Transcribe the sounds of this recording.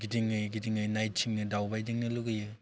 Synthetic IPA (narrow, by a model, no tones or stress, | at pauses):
ɡidiŋɯjɡidiŋɯjnajt̚t͡ʃʰiŋnɯdawbajdiŋnɯluɡɯjɯ